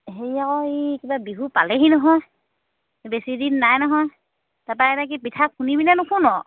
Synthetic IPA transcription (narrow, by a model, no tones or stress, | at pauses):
ɦeiakɔikibabiɦupaleɦinɔɦɔj | besidinːajnɔɦɔj | tapaɛtak̬ipitʰakʰːunibinɛnʊkʰunɔ